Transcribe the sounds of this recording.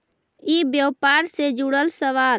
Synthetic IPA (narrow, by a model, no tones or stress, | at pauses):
ibjəwpaɾsed͡ʒuɽəlsəʋaːl